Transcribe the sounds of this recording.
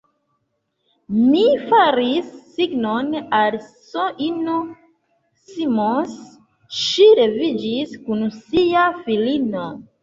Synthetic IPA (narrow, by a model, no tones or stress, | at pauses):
mifaɾisːiɡnonalsoʔino | simos | ʃiɾe̞vid͡ʒiskunsiafilino